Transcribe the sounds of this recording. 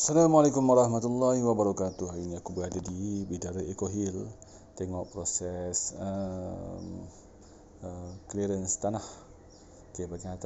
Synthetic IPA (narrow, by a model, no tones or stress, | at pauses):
salamalekumwaɾɑhmat̪ulːahiwabaɾakat̪uɦainiakubəadadibidaɾəekoɦil | t̪ɛŋɔʔpɾosɛsə | m | əkliɾənst̪anah | kəpaɡiat̪